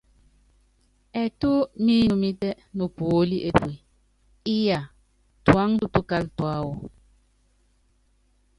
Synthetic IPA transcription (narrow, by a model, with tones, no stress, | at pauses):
ɛ˨tu˦miː˦u˨mi˦tɛ˦ | nu˨po˨˦li˦ʔe˨pwi˨ | i˦ja˨ | twa˨˦ŋtu˦tu˦ka˦ltwa˦wɔ˨